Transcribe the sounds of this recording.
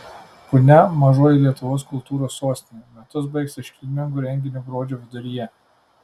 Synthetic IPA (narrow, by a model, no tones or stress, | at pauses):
pʊnʲɛmɐʒuɔjɛlʲiɛt̪ʊʋoːskʊlˠt̪uːɾoːsːoːsʲt̪ʲɪnʲeːmʲɛt̪ʊsbɐɪksʲɪʃʲkʲɪlʲmʲɪŋɡuːɾʲɛŋʲɡʲɪnʲoːbɾoːd͡ʒʲoʋʲɪd̪ʊɾʲɪjɛ